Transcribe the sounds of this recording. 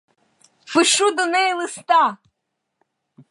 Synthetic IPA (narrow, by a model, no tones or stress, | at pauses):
fɨʃud̪ɔnɛlˠɨst̪a